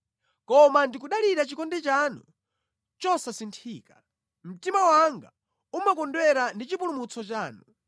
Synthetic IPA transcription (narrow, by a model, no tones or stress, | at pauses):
kɔmandikuɗaliɾat͡ʃikɔndɛt͡ʃanu | t͡ʃɔsasintʰiːka | m̩timawaŋɡa̰ | umakɔndwɛɾandit͡ʃipulumut͡sʰɔt͡ʃaːnu